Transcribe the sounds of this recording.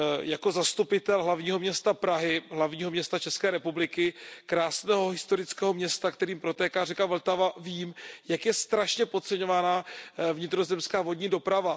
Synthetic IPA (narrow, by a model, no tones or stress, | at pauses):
jako̞zast̪upɪt̪ɛlɦlavɲiːɦomɲɛst̪apɾaɦɪɦlavɲiːɦomɲɛst̪at͡ʃɛskɛːɾɛpublɪkɪkɾaːsnɛːɦo̞ɦɪst̪o̞ɾɪt͡skɛːɦo̞mɲɛst̪akt̪ɛɾiːmpɾo̞t̪ɛːkaːrɛkavl̩t̪avaviːmjakjɛst̪ɾaʃɲɛpo̞t̪̚t͡sɛɲovanaːvɲɪt̪ɾo̞zɛmskaːvo̞dɲiːdo̞pɾava